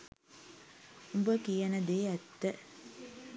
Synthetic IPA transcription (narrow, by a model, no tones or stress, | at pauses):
umbəkijənəd̪eːæt̪ːə